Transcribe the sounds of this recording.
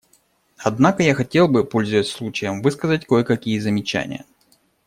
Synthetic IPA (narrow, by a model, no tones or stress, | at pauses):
ɐd̪nakəjaxɐtʲe̞lˠbɨpo̞lʲzɨəsʲslˠut͡ɕɪjəmvɨskəzətʲkojəkɐkʲijəzəmʲɪt͡ɕæ̰nʲɪ̰jə̰